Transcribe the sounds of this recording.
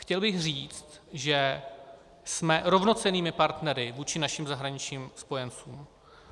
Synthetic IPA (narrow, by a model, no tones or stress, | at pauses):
xcɛlbɪxr̝iːt͡st̪ | ʒɛ | smɛɾo̞vno̞t͡sɛniːmɪpaɾt̪nɛɾɪvuːt͡ʃɪnaʃɪmzaɦɾaɲɪt͡ʃɲiːmspo̞jɛnt͡suːm